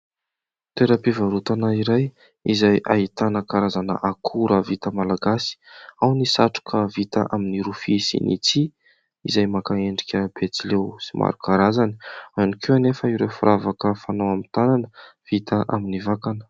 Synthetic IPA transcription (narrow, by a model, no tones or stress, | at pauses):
t̪eɾapivaɾut̪anaiɾaj | izajʔait̪anəkaɾazanə̰ʔakʰuɾəvit̪əmalaɡasi̥awnisaʈ͡ʂu̥kʰəvit̪aʔaminiɾufisḭnḭt͡si | izajmakaeɳɖ͡ʐikʲəb̥et͡silewsimʔa̰ɾukaɾazani̥anikewanefəiɾewfuɾʔavakəfanawamint̪ananəv̥it̪ʰəʔaminivakanə̥